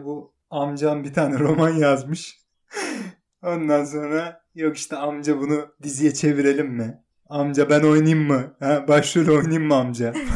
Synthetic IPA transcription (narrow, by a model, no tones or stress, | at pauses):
bu | amd͡ʒanbit̪ʰaːnɛɾo̞manjazmɯʃ | o̞nd̪ans̬o̞nɾa | jo̞kiʃt̪ʰɛamd͡ʒabunud̪izijɛt͡ʃʰe̞viɾelʲimːɪ | amd͡ʒabæno̞jnajɯmːɯhæbaʃluølʲɛo̞jnajɯmːɯamd͡ʒa